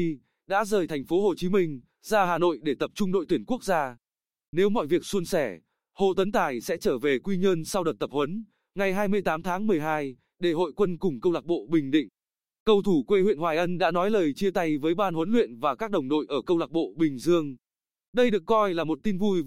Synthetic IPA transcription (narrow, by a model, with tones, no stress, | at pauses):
ɗa̰ː˧˥zəː˨˩jt̪ʰɛ˨˩ŋ̟fo˨˦ɦo˨˩t͡ɕi˨˦mï˧ŋ̟ | zaː˧ɦaː˨˩no̰˧˨jɗe˧˩t̪ə˨˩p̚t͡ɕʊ˧ŋ͡mɗo̰˧˨jt̪wi˧˩ənku˦˥ək̚zaː˧ | ne˨˦wmɔ̰˧˨jvi˨˩ək̚su˧ənsɛ˧˩ | ho̰˧˨t̪ə˨˦nt̪aː˨˩jsɛ̰˧˥t͡ɕəː˧˩ve˨˩kwi˧ɲə˧nsa˧wɗə˨˩t̪ə˨˩p̚hwə˨˦n | ŋa˨˩jɦaː˧jmɨ˧əjt̪aː˨˦mt̪ʰaː˨˦ŋmɨ˨˩əjɦaː˧j | ɗe˧˩ɦo̰˧˨jkwə˧nkʊ˨˩ŋ͡mkə˧wlaː˨˩k̚ɓo̰˧˨ɓï˨˩ŋ̟ɗḭ̈˧˨ŋ̟ | kə˧wt̪ʰu˧˩kwe˧hwḭ˧˨ənhwaː˨˩jʔə˧nɗa̰ː˧˥nɔ˨˦jləː˨˩jt͡ɕi˧ət̪a˧jvəː˨˦jɓaː˧nhwə˨˦nlwḭ˧˨ənvaː˨˩kaː˦˥k̚ɗə˨˩wŋ͡mɗo̰˧˨jʔəː˧˩kə˧wlaː˨˩k̚ɓo̰˧˨ɓï˨˩ŋ̟zɨ˧əŋ | ɗə˧jɗɨ˨˩əkːɔ˧jlaː˨˩mo˨˩t̚t̪i˧nvu˧j